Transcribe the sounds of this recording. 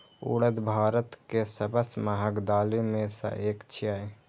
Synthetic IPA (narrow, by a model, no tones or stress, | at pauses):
ṵːɽəd̪bʱaːɾət̪kesəbəsmaɦəɡd̪aːlimẽsə̰ʔeːkt͡ʃʰiaːe